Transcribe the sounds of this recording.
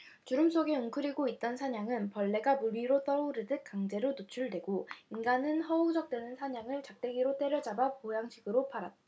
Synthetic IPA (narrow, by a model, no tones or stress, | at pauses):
t͡ɕuɾɯms͈oɡe̞ɯŋkʰɯɾiɡoit̚t͈ʌnsʰaɲaŋɯnpʌɭːe̞ɡamuɾiɾot͈ʌuɾɯdɯk̚k͈aŋd͡ʑe̞ɾonot͡ɕʰuɭdwe̞ɡoinɡanɯnhʌud͡ʑʌk̚t͈we̞nɯnsʰaɲaŋɯɭt͡ɕak̚t͈e̞ɡiɾot͈e̞ɾjʌd͡ʑabapojaŋɕʰiɡɯɾopaɾat̚t͈a